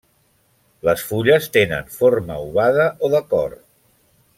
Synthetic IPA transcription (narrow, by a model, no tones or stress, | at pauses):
ləsfuʎəst̪enə̰nforməuβaðəʔoðəkɔr